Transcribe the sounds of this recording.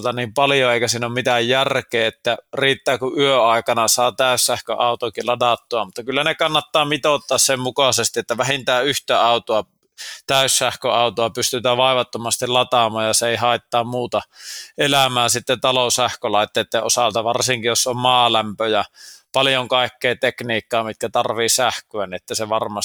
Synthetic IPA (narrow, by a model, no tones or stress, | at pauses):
lt̪ɑniːmpɑljoeˑikæsiːnommit̪æjjærkeːet̪ːæriːt̪ːæːkuʔʔyøɑˑekɑnɑsɑːt̪æˑysːæhkø̰ʔɑˑut̪okilɑdɑt̪ːoɑmut̪ːɑkylːænekɑnːɑt̪ːɑːmit̪ot̪ːɑːssemmukɑsest̪iet̪ːæʋæhint̪æːyht̪æɑˑut̪oɑ | t̪æˑysːæhkøɑˑut̪oɑpyst̪yt̪æːʋɑˑeʋɑt̪ːomɑst̪ilɑt̪ɑmˑɑːjjɑseeˑihɑˑet̪ːɑːmmuːt̪ɑʔelæmæːsit̪ːet̪ɑlosæhkølɑˑet̪ːeːt̪ːeːʔʔosɑlt̪ɑʋɑrsiŋkijosommɑːlæmpøjɑpɑljoŋkɑˑekːeːt̪ekniːkːɑːmit̪̚kæt̪ɑrʋiːsæhkøæniʔet̪ːæseʋɑrmɑs